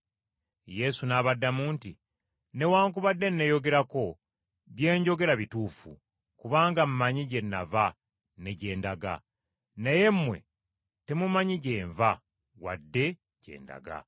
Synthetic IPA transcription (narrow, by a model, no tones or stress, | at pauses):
je̞sunaːβadːamuːnti | ne̞waːŋk̬uβadːe̞nːe̞jo̞ɡe̞ɾako̞ | βje̞ːɲɟo̞ɡe̞ɾaβituːfṵ | kuβaːŋɡam̩maɲiɟe̞nːava | ne̞ɟe̞ːndaɡa̰ | neje̞mːwe̞̰ | te̞mumaɲiɟe̞ːɱva | wa̰dːe̞ | ɟ̥e̞̰ːnda̰ɡa̰